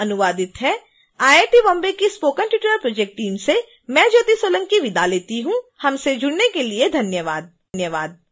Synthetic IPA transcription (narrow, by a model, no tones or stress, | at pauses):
ɐnʊʋaːd̪ɪt̪ɦɛː | aːeːʈibɐ̃mbekispoːkə̃nʈjɪːʈəɾəɾpɾoːd͡ʒek̚ʈːiːmse | mɛ̃ːd͡ʒoːt̪isoːlə̃ŋɡkiʋɪd̪aleːt̪iɦũhɐmsed͡ʒʊɽnekelied̪ʱɐnjəʋaːd̪̚ | njəʋaːd̪̚